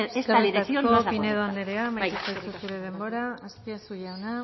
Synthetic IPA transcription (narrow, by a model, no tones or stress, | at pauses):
eket̪aopineðoand̪eɾeamajisajsusuɾe̞ð̞e̞mbo̞ɾaːstiasujaona